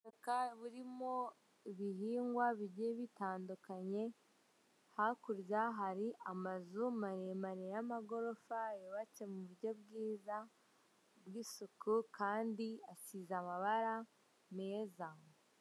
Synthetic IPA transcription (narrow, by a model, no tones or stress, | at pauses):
okaβuɾimo̞ | iβiɦiːŋɡwaβiɟeβitaːndukaɲe̞ | hakuɾzaɦaɾiʔamazumaɾemaɾejamaɡo̞ɾo̞fajeβacemuβuɾɟo̞bɡiːza | bɡisukukʰaːndiasizamaβaɾa | mezaŋ